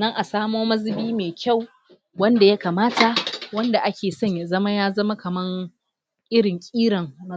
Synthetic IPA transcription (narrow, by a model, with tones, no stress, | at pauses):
nɐ˦ŋʔa˨saː˦moː˦mɐ˦zɪ˨biː˦meː˨kʲʰa˦˨w | wɐ˦nda˨ja˦kaː˨maː˦ta˨wɐ˦nda˨ʔa˦kʲeː˨sɔ˦ɲja˨zɐ˦ma˦jaː˦zɐ˦ma˦kɐ˨mɐ˦ŋ | ʔɪ˦ɽɪ˨ŋkʲʼiː˦ɽɐ˨ŋmɐ˦